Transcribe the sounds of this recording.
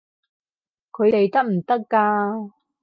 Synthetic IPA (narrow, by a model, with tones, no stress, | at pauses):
kʰɵ˨˧t̪e˨jt̪ɐ˥k̚m̩˨˩t̪ɐ˥kːaː˧